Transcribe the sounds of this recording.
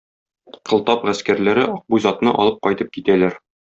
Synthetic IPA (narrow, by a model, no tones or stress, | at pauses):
qʰɤ̆lˠt̪ɑpʁæskæɾlæɾɘʔɒq̚bujzɑt̪nɤʔɒ̰lˠɤp̚qɒjt̪ɤp̚kit̪ælæɾ